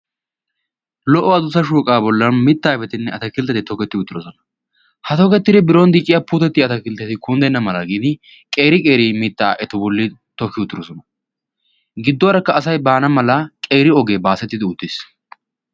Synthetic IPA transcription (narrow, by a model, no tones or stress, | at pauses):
lɔʔːɔɐd̪ʊsɐʃ̬uːkʼaːbɔlːɐnmɪt̪ːaːɪfɛt̪ɪnːɛɐt̪ɐkɪlt̪ɐt̪ɪt̪ɔkɛt̪ːɪʊt̪ːɪɾɔsɔnɐ | hɐt̪ɔkɛt̪ːɪd̪ɛbɪɾoːnd̪iːt͡ʃʼːɪjapuːt̪ɛt̪ːɪɐt̪ɐkɪlt̪ːɐt̪ɪkʊnd̪ɛnːɐmɐlɐɡiːd̪ɪ | kʼe̞ːɾɪkʼe̞ːɾimɪt̪ːaːʔɛt̪ɔbɔlːɪt̪ɔkːɪʊt̪ːɪɾɔsɔnɐ | ɡɪd̪ːɔwɐɾɐkːɐːsɐjbaːnɐmɐlɐkʼe̞ːɾɪɔɡeːbaːsɛt̪ːɪd̪ɪʊt̪ːɪs